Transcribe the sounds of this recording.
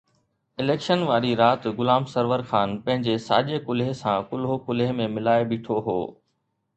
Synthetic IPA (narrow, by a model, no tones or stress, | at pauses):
ɪleːkʃənʋaːɾiɾaːt̪ɡʊlaːmsɐɾʋəɾxaːnpɐ̃ɦɪ̃ɲd͡ʑesa̰ːʄekʊlɦɪsãkʊlɦokʊlɦɪmẽmɪlaːebɪːʈʰoɦo̰ː